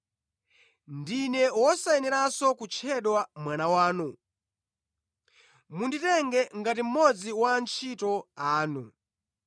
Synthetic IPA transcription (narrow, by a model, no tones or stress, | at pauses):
ndinɛwɔsaɛnɛɾasɔkut͡ʃʰɛɗwamwanawaːnu | munditɛŋɡɛŋɡatim̩mɔd͡ziwant͡ʃʰitɔaːnu